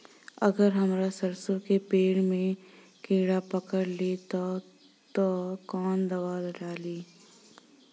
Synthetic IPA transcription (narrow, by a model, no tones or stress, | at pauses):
ɐ̰ɡəɾɦɐmɾasɐɾsõkepeːɽmẽ | keːɽapəkəɾlet̪a | t̪okɔːnd̪ɐʋaːlɖaːliː